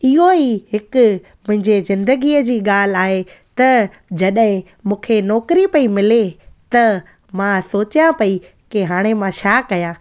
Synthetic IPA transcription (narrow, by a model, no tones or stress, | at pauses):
ɪɦoiɦɪkʊ | mʊ̃ɦɪ̃ɲd͡ʑezɪ̃nd̪əɡiːəd͡ʑiːɠaːl̤ɪaːɦe | t̪ɐ | d͡ʑɐɗɦɪ̃ | mũːkʰenɔːkɾipɐimɪlet̪ɐ | mãsoːt͡ɕjãpɐi | keɦaːɽ̃emãʃaːkɐjãː